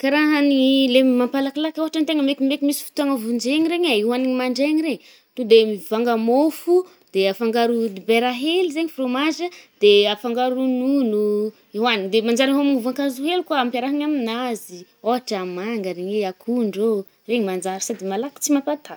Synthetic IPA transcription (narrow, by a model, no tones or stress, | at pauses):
kaɾaɦanilemimampalakilakoɦaʈ͡ʂant̪eŋəmekimekimisi̥fu̥t̪uaŋəvund͡ʒeɲiɾeɲaiwaniɲimaɳɖ͡ʐeɲiɾeɲ | t̪ud̪emivaŋɡəmofu | d̪eafaŋɡaɾud̪ibeɾaɦelizeɲifromazəd̪̥eafaŋɡaɾununu | iwanind̪emand͡ʒaɾiɦamuvaŋkazuɦelukaampjaɾaɦaɲaminazi | oɦaʈ͡ʂamaŋɡəɾeɲeakʰuɳɖ͡ʐo | reɲimand͡ʒaɾsad̪imalaki̥t͡simapat̪ʰa